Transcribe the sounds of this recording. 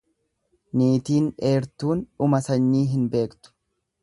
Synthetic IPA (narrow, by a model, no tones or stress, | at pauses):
niːt̪iːnᶑe̞ːɾt̪uːnᶑʊmɐsɐɲːiːɦɪnbe̞ːkt̪ʊ̥